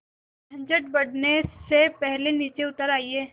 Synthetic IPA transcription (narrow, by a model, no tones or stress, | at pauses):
t̪ʰɐ̃ɲd͡ʒəʈ̚bɐɽnesepɛɦleniːt͡ʃeʊt̪əɾaːieː